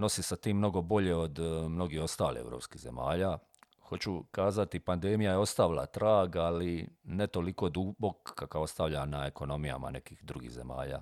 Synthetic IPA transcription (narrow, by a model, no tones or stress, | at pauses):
no̞sisat̪iːmːno̞ɡo̞bo̞ʎe̞od̪mno̞ɡiho̞st̪aːlḭḛvɾo̞ːpskize̞̰ma̰ːʎaː | xo̞t͡ɕukaːzat̪ipand̪emijajeo̞st̪aʋilˠa̰t̪ɾaːɡalinet̪o̞liko̞d̪ubokːakao̞st̪aʋʎanaeko̞no̞mija̰ma̰ne̞̰kixd̪ɾuɡḭɣze̞̰ma̰ːʎa̰ː